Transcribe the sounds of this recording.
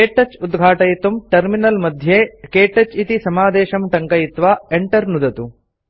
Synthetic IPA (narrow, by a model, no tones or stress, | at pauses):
keːʈɐt͡ʃːud̪ɡʱaːʈɐjit̪umʈɐɾminɐlmɐd̪ʱjeːkeːʈɐt͡ʃit̪isɐmaːd̪ɛːʃɐmʈɐŋkɐjit̪ʋaːeɳʈɐɾnud̪ɐt̪u